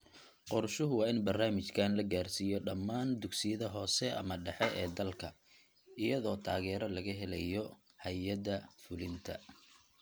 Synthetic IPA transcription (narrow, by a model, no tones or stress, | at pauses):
qɔrʃʊɦʊwɑːɪnbɐrnaːmɪt͡ʃkʰaːnlɐɡaːrsiːjɔɖɐmːaːnd̪ʊɡsɪjɐðɐɦɔːsɛʔɐ̰mɐɖɛħɛʔɛːd̪ɐlkʰɐ | ɪjɐðɔːt̪ʰaːɣɛːɾɐlɐɣɐɦɛlɛjɔ | hɐjɐðɐfʊlɪnt̪ʰɐ̰